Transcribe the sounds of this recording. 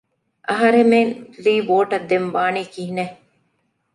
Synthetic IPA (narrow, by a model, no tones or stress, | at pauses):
ʔɐɦɐɾemenliːboːʈɐd̪ːemʋaːniːkiɦine